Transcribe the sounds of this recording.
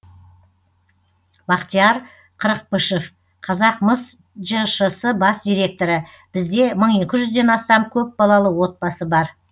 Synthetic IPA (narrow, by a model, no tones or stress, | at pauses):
bɑqt̪ijɑɾ | qʰəɾəq̚bəʃef | qʰɑzɑq̚məs | ʒəʃəsəbɑsd̪ijɾʲe̞k̚t̪o̞ɾə | b̥ɪzd̪e̞məɴe̞kʲɪʒʏzd̪e̞nɑst̪ɑmkʲʰɵp̚bɑlˠɑlˠəwo̞t̪̚bɑsəbɑɾ